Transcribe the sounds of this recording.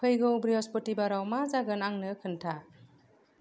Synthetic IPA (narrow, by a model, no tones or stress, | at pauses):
pʰɯjɡɔbɾiɔspɔtibaɾawmazaɡɯnaŋnɯkʰɯntʰa